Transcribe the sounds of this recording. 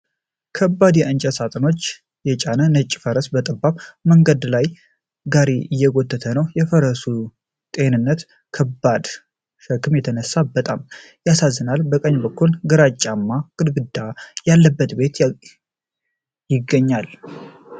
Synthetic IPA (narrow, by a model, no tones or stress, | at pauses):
kʰəbːad̪jɛʔɨnt͡ʃʼəsat̪ʼəno̞t͡ʃː | jɛt͡ʃʼanənət͡ʃʼːfəɾəsbət̪ʼəbːaβməŋɡəd̪laj | ɡaɾiɨjːɛɡot̪ːət̪ʰənəwjɛfəɾəsu | t̪ʼe̞nɨnːət̪ | kʰəbad̪ | ʃəkːɨmjɛt̪ʰənəsːabət̪ʼam | jasazːɨnalbəkʼəɲːbəkʰːulɡɨɾat͡ʃʼːamːaɡ̥ʼɨd̪bɨd̪ajalːəbːət̪be̞t̪ | jɪɡːəɲːal